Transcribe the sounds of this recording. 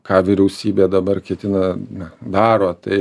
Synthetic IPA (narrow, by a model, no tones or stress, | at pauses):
kɑːʋʲiɾʲɛʊsʲiːbʲeːd̪ɐbɐrkʲɛt̪ʲɪnɐnɐd̪ɑːɾoːt̪ɐɪ